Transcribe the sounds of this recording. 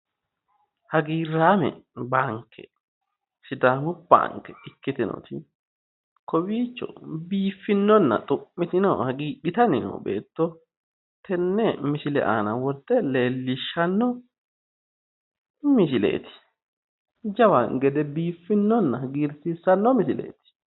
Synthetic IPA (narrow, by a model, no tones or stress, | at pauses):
hɐɡiːrːaːmɛ̰baːŋkʰːɛ̰ | ʃɪd̪aːmʊbːa̰ŋkːɛɪkːɪt̪ɪnɔ̰t̪ɪ | kɔbiːt͡ʃːɔ̰biːfːɪnːɔnːɐ̰t̪ʼʊʔːɪt̪ɪnɔ̰hɐɡiːᶑɪt̪ɐnɪnɐ̰bḛːt̪ːɔ | t̪ʰɛnːɛmɪʃɪlɛ̰ʔa̰ːnɐwɔɾt̪ːɛle̞ːlːɪʃːɐnːɔ | mɪʃɪlḛːt̪ɪ̥ | d͡ʒɐwaŋɡɛd̪ɛbiːfːɪnːɔnːɐɡiːɾsisːɐnːɔmɪʃɪlḛːt̪ɪ̥